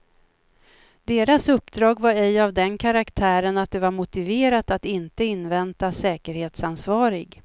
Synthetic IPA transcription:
d̪eːɾasɵpːd̪ɾɑːɡvaɾɛjavd̪ɛnkʰaɾakt̪ʰæːɾənat̪̚d̪ɛvaɾmʊt̪ɪveːɾat̪at̪ɪnt̪əɪnːvɛnt̪asɛːkəɾheːt̪sansvɑːɾɪɡ

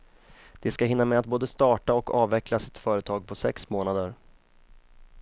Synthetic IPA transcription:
d̪̥ɛskaɦɪnːamɛat̪̚boːd̪əst̪ɑːʈaɔkɑːvːɛkʰlasɪt̪fœːɾət̪ʰɑːɡ̚pʰɔsɛksmoːnad̪əɾ

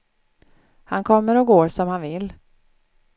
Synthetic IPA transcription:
hankʰɔmːəɾɔɡoːɾʂɔmhanvɪlː

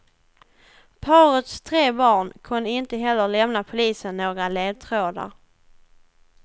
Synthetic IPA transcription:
pʰɑːɾət̪st̪ʰɾeːbɑːɳkʰɵnːəɪnt̪əɦɛlːəɾlɛmnapʰʊliːsənːoːɡɾaleːd̪̚t̪ʰɾoːd̪a̰ɾ

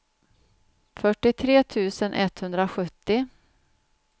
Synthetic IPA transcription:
fœʈːɪt̪ʰɾeːt̪ʰʉ̟ːsənʔɛ̰t̪ːhɵnd̪ɾaɧɵt̪ːɪ

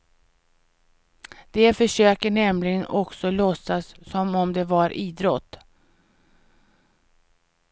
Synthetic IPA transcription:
d̪̥ɛfœʂøːkəɳɛmlɪɡənɔksɔlɔsːasːɔmɔmd̪ɛvaɾʔiːd̪ɾɔt̪ː

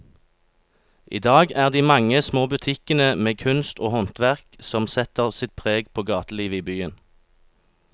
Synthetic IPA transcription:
ʔḭːd̪ɑːɡæːʁd̪iːmɑŋəsmoːbʉt̪ʰɪkənəmeːkʰʉnst̪oːhɔnt̪ʋæʁksɔmsɛt̪əʁsɪt̪̚pʰʁeːɡpʰoːɡɑːt̪əliːʋəiːbyːən

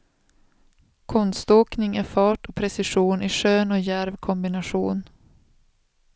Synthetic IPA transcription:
kʰɔnst̪oːknɪŋæfɑːʈɔpʰɾɛsɪʂuːnɪʂøːnɔjæɾvkʰɔmbɪnaɧuːn

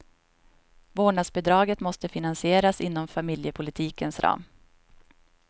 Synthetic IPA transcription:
voːɳasbɛd̪ɾɑːɡət̪mɔst̪əfɪnansɪeːɾasɪn̪ːɔmfamɪljəpʰʊlɪt̪ʰiːkənsɾʔɑ̰ːm

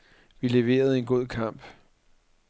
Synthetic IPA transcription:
ʋile̝ʋe̝̰ːɐð̞̩ˠe̝nɡ̥o̝ð̞̰ˠkʰɑ̈m̰b̥

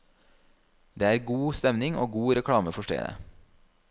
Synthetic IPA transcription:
d̪eːæːɾɡuːst̪ɛmnɪŋoːɡuːɾɛkʰɽɑːməfɔʃʈḛːd̪ə̰

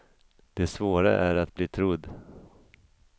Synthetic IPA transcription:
d̪̥ɛsvoːɾa̰ʔæɾat̪bliːt̪ʰɾɵd̪ː

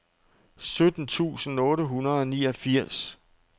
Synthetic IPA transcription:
sød̥n̩t͡sʰṵːsn̩ɔ̽ːɾəɦunɐð̩ˠɒ̽niːɒfiɐ̰s

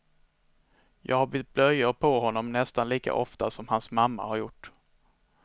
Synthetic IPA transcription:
jɑ̰ːɡhaɾb̪ɪt̪̚blœjʊɾpʰɔɦɔnːɔmnɛst̪anliːka̰ʔɔft̪asɔmhansmamːa̰haɾjʊʈː

